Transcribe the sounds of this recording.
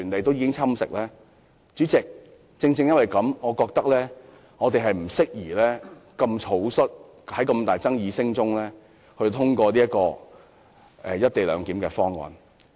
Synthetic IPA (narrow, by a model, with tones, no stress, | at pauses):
yː˨˩nle˨jt̪o˥wjiː˧kɪ˥ŋt͡sʰɐ˥msɪ̰˨k̚lɛː˥ | t͡ʃyː˨˥t͡sɪ˨k̚ | t͡sɪ˧ŋt͡sɪ˧ŋjɐ˥t̚wɐ˨jkɐ˨˥mŋɔː˨˧kɔː˧k̚t̪ɐ˥k̚lɛː˥ | ŋɔː˨˧t̪e˨jɦɐ˨jm̩˨˩sɪ˥k̚jiː˨˩lɛː˥kɐ˧mt͡sʰo˨˥wsɵ˥t̚ | hɐ˨˥jkɐ˧mt̪aː˨˩jt͡sɐ˥ŋjiː˧sɪ˥ŋt͡sʊ˥ŋlɛː˥ | hɵ˧t̪ʰʊ˥ŋkʷɔː˧liː˥jɐ˥tkɔː˧ | ʔɛː˨˧jɐ˥t̚t̪e˨˩lœ̰ː˨˧ŋkiː˨˥mkɛː˧fɔː˥ŋwɔ̰ː˨˧n